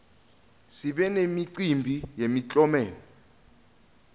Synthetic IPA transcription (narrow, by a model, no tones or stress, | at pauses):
siɓɛnemiǀimbʱijemit͡ɬʼɔmɛːlɔ